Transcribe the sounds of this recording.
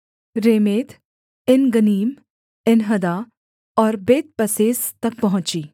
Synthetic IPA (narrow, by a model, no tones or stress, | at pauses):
ɾeːmeːt̪ | ɪnɡəniːm | ɪnɦɐd̪aː | ɔːɾbeːt̪̚pɐseːst̪ɐk̚pɐɦʊ̃t͡ʃiː